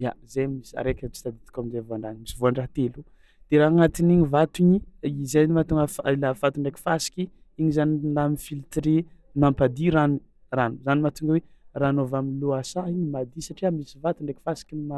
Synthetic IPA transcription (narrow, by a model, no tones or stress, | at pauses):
ja̰zemisa̰ɾekʲt͡si̥t̪ad̪it̪u̥kʲamizevaɳɖ͡ʐanmisivoaɳɖ͡ʐaɦt̪elu | d̪̥eɾaaŋat̪iniɲivat̪iɲizenimat̪uŋɡəfilafat̪uɳɖ͡ʐekʲi̥fasi̥kʲi | iɲizaninamifilt̪ɾe | mampad̪iɾanu | ranuzanimat̪uŋɡəweranovaminluasaiɲmad̪isaʈ͡ʂiamisivat̪uɳɖ͡ʐeki̥fasi̥kʲima